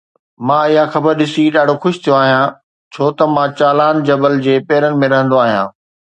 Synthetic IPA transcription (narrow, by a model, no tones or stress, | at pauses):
mãɪɦãxɐbəɾɗɪsiɗaːɖʱoxʊʃt̪ʰijoaːɦijã | t͡ɕʰoːt̪ɐmãt͡ɕaːlaːnd͡ʑɐbəld͡ʑeːpɛːɾənɪ̆mẽɾɐɦə̃nd̪oaːɦijã̰ː